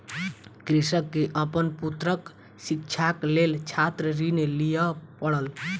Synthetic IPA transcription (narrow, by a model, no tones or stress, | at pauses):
kɾisəkːeʔəpənput̪ɾək | sikt͡ʃʰaklelt͡ʃʰat̪ɾəɾinelijəpəɽəl